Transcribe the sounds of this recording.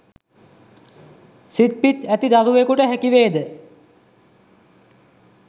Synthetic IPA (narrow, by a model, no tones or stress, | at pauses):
sit̪̚pit̪æt̪id̪aluekuʈəɦækiʋeːd̪ə